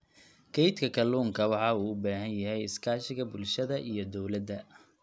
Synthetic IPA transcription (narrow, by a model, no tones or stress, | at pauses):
kʰɛjt̪kʰɐkʰɐluːŋkʰɐwɑħɑuːʊbaːɦɐnjɐɦɛjɪskʰaːʃɪɣɐbʊlʃɐðɐʔijɞd̪ɔwlɐd̪ɐ